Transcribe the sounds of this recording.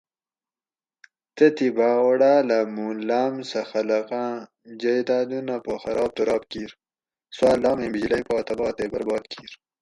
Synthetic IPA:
t̪ɐt̪ibaːwɐɽaːlɐmuːlaːmsɐxɐlɐqãː | d͡ʑɐjd̪aːd̪unapoxɐɾʔɑːb̚t̪uɾɑːb̚kiːɾ | swaːlɑːmẽbid͡ʑlɐjpɑːt̪ɐbɑːt̪eːbɐɾbɑːd̪kʰiːɾ

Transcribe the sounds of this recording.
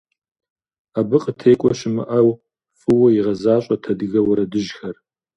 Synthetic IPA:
abɨqʼətʰeːkʷʼɔɕɪmɨ̰ʔɐw | fʼɨwɐjiʁɐzaːɕʼɐtʰɐdɨɣɐwʊɾɐdɨʒxɐr

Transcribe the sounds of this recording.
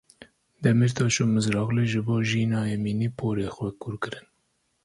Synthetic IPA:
d̪ɛmiɾt̪ʰɑːʃomɨzɾɑːɣleʒɨboːʒiːnɑːjɛmiːniːpʰoːɾeːxwɛkʊɾkɨɾɨn

